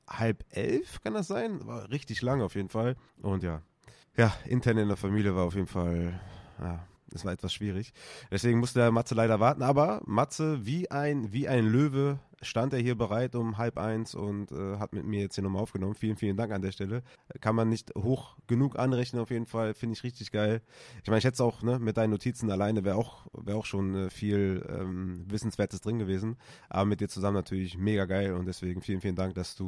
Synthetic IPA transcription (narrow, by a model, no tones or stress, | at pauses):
halpʔɛ̰lfkʰandasz̥aɪnva̰ːʁɪçtɪçlaŋaʊfjeːdn̩fal | ʔʊntjaː | jaːʔɪ̰ntʰɛɐnɪndeːɐfamiːljəvaːɐaʊfjeːdn̩falja̰ː | ʔɛsvaɐɛtv̥asʃv̥iːʁ̞ɪçd̥ɛsv̥eːɡŋ̩mʊstəaːmat͡səlaɪɾɐvaɐtn̩ʔaːbɐmat͡səviːʔaɪnviːʔaɪnløːvə | ʃtantʔeːɐɦiːɐbəʁ̞aɪtʊmɦalpʔa̰ɪnsʊ̰ntʔɛːɦatmɪtmiːɐjɛt͡sthiɐnɔmalʔaʊfɡ̥ənɔmənfiːlənfiːləndaŋkandeːɐʃtɛləkʰanmanːɪçthoːxɡ̥ənuːkʔa̰nʁɛçnənaʊfjeːdn̩falfɪndəɪçʁɪçtɪçɡ̥aɪlʔɪç̥maɪnɪçhɛtsaʊxnəmɪt̚d̥aɪnənotʰiːt͡sn̩alaɪnəvɛːaʊxvɛːɐaʊxʃoːnɛːfiːlʔɛ̰ːmvɪsn̩sv̥eːɐtəsd̥ʁɪnɡəveːzn̩ | ʔa̰ːbɐmɪt̚d̥iːɐt͡suzamənatʰyːɐlɪçmeːɡaɡaɪlʊnt̚d̥ɛsv̥eːɡŋ̩fiːlən̩fiːləndaŋk̚d̥asd̥uː